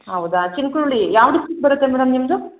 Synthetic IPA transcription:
ɦɐwud̪at͡ʃinkuɾuɭijaːʋɽisik̚bɐɾut̪ːemɛːɽɐmnimd̪u

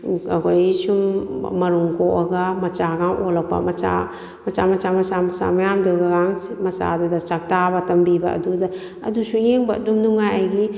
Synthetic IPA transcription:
ɐkʰojsummɐɾuŋkoʔɐɡɐmɐt͡ʃaɡaŋʔolɐk̚pɐ̰mɐt͡ʃa̰ | mɐt͡ʃamɐt͡ʃamɐt͡ʃamɐsa̰mɐjamduɡaɡaŋmɐsa̰dɐdɐt͡ʃak̚tabɐtɐmbibɐ̰ɐ̰dudɐ | ɐ̰dusujeŋbɐdumnuŋajajɡi

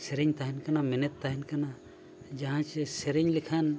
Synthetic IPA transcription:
sɛɾiɲt̪aɦinkanaminɛt̪ːaɦinkana | d͡ʒaɦãt͡ʃɛsɛɾiɲlikʰan

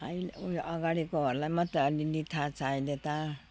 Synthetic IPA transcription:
ʌjlujʔʌɡaɽikoɦʌɾulajmʌt̪relinit̪ʰat͡sʰajd̪et̪a

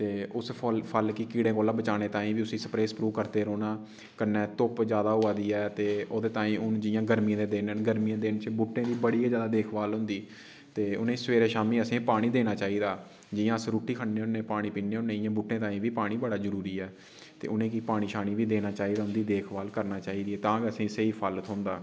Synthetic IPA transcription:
t̪eːʊspʰəlkikiːɽẽːkoːlãːbət͡ʃaːneːt̪ãːĩːʋiːʊsĩːsəpɾeːspɾuːʋkəɾt̪eːɾoːnãː | kəɾnɛːt̪ʊpd͡ʒjaːd̪aːɦʊːaːd̪iːɛːt̪eːoːd̪eːt̪ãːĩːʊnd͡ʒɪjãːɡəɾmĩːãːd̪eːd̪eːnənɡəɾmijãːd̪ent͡ʃbʊʈːẽːd̪iːbəɽiːed͡ʒjaːd̪aːd̪eːkʰbaːlɦʊ̃nd̪iː | t̪eːʊnẽːsʋeːɾeːʃaːmĩːəsĩːpaːɽ̃iːd̪eːnaːt͡ʃaːiːd̪aː | d͡ʒɪjãːsɾuːʈːiːkʰəɳneːʊnẽːpaːɽ̃iːpiːneːʊnẽːɪjãːbʊʈːẽːt̪aːĩːʋiːpaːɽ̃iːbəɽaːzəɾuːɾiːɛː | t̪ḛːʊnẽːkiːpaːɽ̃iːʃaːñiːʋiːd̪eːnaːt͡ʃaːiːd̪aːɦʊ̃nd̪iːd̪eːkʰbaːlkəɾnaːt͡ʃaːiːd̪iːɛːt̪ãːkəsĩːɪseiːpʰalət̪ɦʊ̃nd̪aː

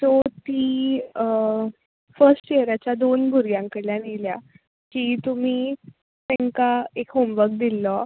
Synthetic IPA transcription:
t̪ɔt̪iː | fəɾsʈt͡ɕeɾat͡ɕjad̪onɡʱuɾɡjãŋkəɽljanilja | kiːt̪um̤iː | t̪ɛŋkaekɦomʋək̚d̪ilːɔ

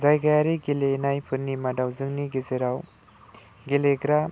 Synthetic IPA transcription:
zajɡajaɾiɡelenajpʰɯɾnimadawzɯŋniɡezeɾaw | ɡeleɡɾa

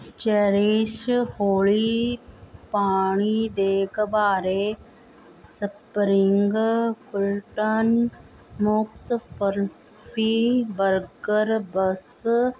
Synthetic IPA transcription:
t͡ʃeɾiːʃhoːɭi | paːɳ̃id̪eːkbaːɾe | sɐpɾɪŋɡkʊlʈən | mʊkt̪fəɾ | fiːʋəɾɡəɾbəs

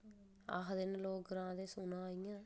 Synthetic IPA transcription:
a̰ɦd̪ɪnloːɡɡɾãːd̪eːsʊnãːijãː

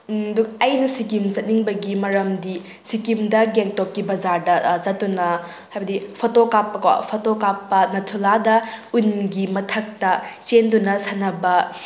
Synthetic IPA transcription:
duk̚ɐjnɐsikimzɐt̚niŋbɐɡimɐɾɐmdi | sikimdɐɡeŋtokːibɐd͡ʒaɾdɐzɐt̚tːunɐ | hajbɐdipʰotokapːɐka̰pʰotokapːɐnɐtʰuladɐunɡimɐtʰɐk̚tɐt͡ʃendunɐsanɐbɐ

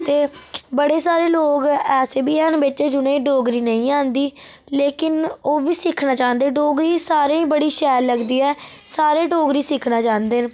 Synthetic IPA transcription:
t̪eːbəɽeːsaːɾeːloːɡɛːseːbiːɛːnbɪt͡ʃːd͡ʒʊɽẽːɖoːɡɾiːnəĩːãːnd̪iː | leːkɪnoːbiːsɪkʰnaːt͡ʃãːnd̪eːɖoːɡɾiːsaːɾeːĩːbəɽiːʃɛːɾləɡd̪iːɛː | saːɾeːɖoːɡɾiːsɪkʰnãːt͡ʃãːnd̪eːn

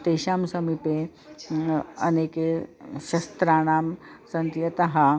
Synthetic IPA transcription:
t̪eɕaːmsɐmipe | ɐ̰neːkeɕɐst̪ɾaːɽ̃aːmsɐnt̪jɐt̪ɐɦa

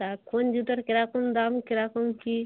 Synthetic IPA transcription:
akʰond͡ʒut̪əɾkɪɾaːkund̪aːmkɪɾaːkomki

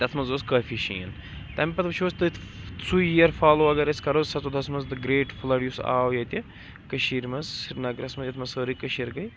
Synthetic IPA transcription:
t̪ɐt̪ʰmɐnzoskɐːfiʃḭːɐn | t̪ɐmʲpɐt̪ʋɐt͡ʃʰʋost̪ɨsujiɐɾfaːloːɐɡɐɾɐskɐɾozsɐt͡sod̪ɐsmɐnzd̪ɨɡɾeːʈflɐɽjusa̰ːwjɐt̪ʲi | kɐʃiːɾmɐzsiɾnɐːɡɾɐsmɐzjɐt̪ʰmɐnsəːɾikɐʃiɾɡɐj

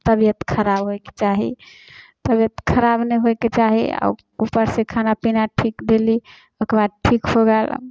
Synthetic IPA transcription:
t̪əbijət̪kʰəɾabɦojke̥t͡ʃaɦḭ | t̪əbjət̪kʰəɾabnəɦojket͡ʃaɦḭa̰u | upəɾsekʰanapinaʈʰikd̪eli | okɾbad̪̚ʈʰikɦoɡɛl̰

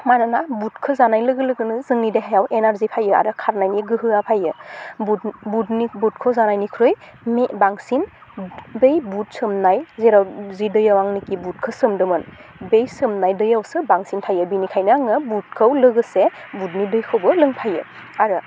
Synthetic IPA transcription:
manɯnabutkʰɯzanajlɯɡɯlɯɡɯnɯzɯŋnideɦajawʔenaɾzipʰajɯa̰ɾɯkʰaɾnajniɡɯɦɯapʰajɯbubutnibut̚kʰɯwzanajnikʰɾoj | mbaŋsin | bejbut̚sɯmnajzeɾawzidɯjawaŋnikibut̚kʰɯsɯmdɯmɯn | bejsɯmnajdɯjawsɯbaŋsinpʰajɯbinikʰajnɯaŋɯbut̚kʰɯwlɯɡɯsebut̚nidɯjkʰɯwbɯlɯŋpʰajɯ̰ | aɾɯ

